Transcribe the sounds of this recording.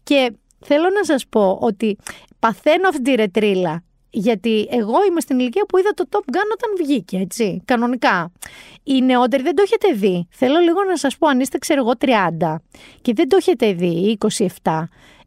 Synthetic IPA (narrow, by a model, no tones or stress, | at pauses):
ce̞ | θe̞lo̞nɐsɐspo̞ʔo̞t̪i | pɐθe̞noɐft̪it̪̬iɾe̞t̪ɾilɐ | ʝɐt̪ieɣo̞imest̪iniliciɐpuiðɐt̪o̞t̪o̞pɡɐnoot̪ɐnvʝicee̞t͡sikɐno̞nikɐ | ine̞o̞t̪̬e̞ɾiðed̪oçet̪e̞ðiθe̞lo̞liɣo̞nɐsɐspo̞ɐnist̪ekseɾɣo̞t̪ɾiɐnd̪ɐce̞ðe̞nd̪oçe̞t̪e̞ðiiko̞sie̞ft̪ɐ